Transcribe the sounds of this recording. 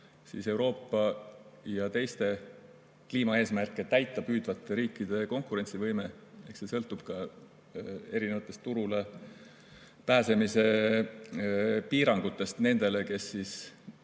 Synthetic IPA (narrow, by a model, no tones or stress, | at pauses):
sḭse̞wɾo̞ːpːɑjɑt̪e̞jst̪e̞ | kliːmɑe̞ːsmærkːˑet̪æjt̪ːˑɑpyːd̪vɑt̪ːˑe̞ɾiːkːˑid̪̥e̞ko̞ŋkˑuɾe̞nʲtsivɤjme̞e̞hkse̞sɤlt̪ːˑub̥kɑ | e̞ɾinevɑt̪ːˑe̞st̪uɾule | pæːse̞mise̞ | piːɾɑŋɡ̥ut̪ːˑe̞st̪ne̞nd̪̥e̞le̞ke̞sːis